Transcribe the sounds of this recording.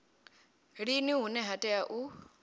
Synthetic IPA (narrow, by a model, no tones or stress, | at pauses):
ɺiniɦunɛɦatʼɛaʔu